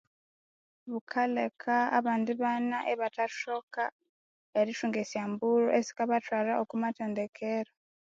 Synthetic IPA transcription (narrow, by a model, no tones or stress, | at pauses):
βukʰalekʰaːβaːndiβanaʔeβataʃoka | eɾiʃuːŋɡesjaːmbuɾo̰ʔesi̥kaβatwaːlaʔokumateːndekʰeɾo